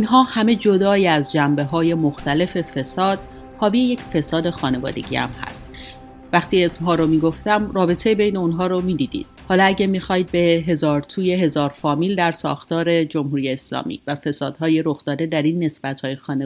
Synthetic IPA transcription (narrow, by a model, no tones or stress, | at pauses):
inɦɒːhæme̞d͡ʒo̞d̪ɒːiæzd͡ʒæmbe̞ɦɒːje̞moxt̪ʰæle̞fe̞fe̞sɒːd̪̥̚ | hɒːbije̞je̞cfe̞sɒːd̪e̞xɒːne̞vɒ̰ːd̪e̞̰ɟḭæ̰mhæ̰st̪̚ | væxt̪ʰiːe̞smɦɒːɾomiːɡo̞ft̪æmrɒːbe̞t̪ʰejbe̞jneonɦɒːɾomiːd̪iːd̪ḭːd̪̥hɒːlɒæɟæmixɒːid̪̚be̞ɦe̞zɒːɾt̪ʰuːje̞ɦe̞zɒːɾfɒːmiːld̪æɾsɒ̰ːxt̪ɒːɾe̞d͡ʒo̞mɦuːɾije̞ːslɒ̰ːmḭːvæfe̞sɒːd̪̥hɒːje̞ɾo̞xd̪ɒːd̪e̞d̪æɾinːe̞sb̥æt̪ʰhɒːjexɒːne